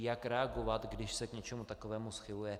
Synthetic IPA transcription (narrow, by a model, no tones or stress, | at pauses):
jakɾɛaɡo̞vat̪ɡdɪʃsɛkɲɛt͡ʃɛmut̪ako̞vɛːmusxɪlujɛ